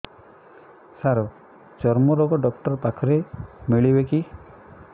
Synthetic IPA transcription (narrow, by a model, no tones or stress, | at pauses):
saɾɔ | t͡ʃɔɾmɔɾɔɡɔɖɔkʈɔɾpakʰɔɾemiɭibeki